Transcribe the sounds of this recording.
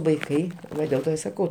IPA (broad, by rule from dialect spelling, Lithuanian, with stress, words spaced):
ʋɐɪˈkɐɪ ˈʋɐ dʲeːlˠ ˈtoː ɪ sɐˈkɐʊ